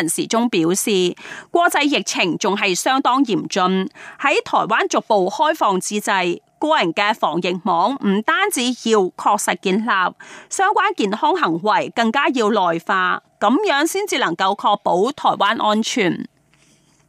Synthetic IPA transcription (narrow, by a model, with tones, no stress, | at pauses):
ɐ˨˩nsḭː˨˩t͡sʊ˥ŋpiː˨˥wsiː˨kʷɔː˧k̚t͡sɐ˧jːɪ˨k̚t͡sʰɪ˨˩ŋt͡sʊ˨ŋɦɐ˨jsœː˥ŋt̪ɔː˥ŋjiː˨˩mt͡ʃɵ˧nhɐ˨˥jt̪ʰɔː˨˩jwaː˥nt͡sʊ˨k̚po˨whɔː˥jfɔː˨ŋt͡siː˧t͡sɐ˧j | kɔː˧˥jɐ˨˩nkɛː˧fɔː˨˩ŋjɪ˨k̚mɔː˨˥ŋm̩˨˩t̪aː˥nt͡siː˨˥jiː˧wkʰɔː˧k̚sɐ˨t̚kiː˧nlaː˨p̚sœː˥ŋkʷaː˥nkiː˨nhɔː˥ŋɦɐ˨˩ŋwɐ˨˩jkɐ˧ŋkaː˥jiː˧wlɔː˨˩jfaː˧kɐ˨˥mjœː˨˥ŋsiː˥nt͡siː˨˧lɐ˨˩ŋkɐ˧wkʰɔː˧k̚po˨˥wt̪ʰɔː˨˩jwaː˥nʔɔː˥nt͡ʃʰyː˨˩n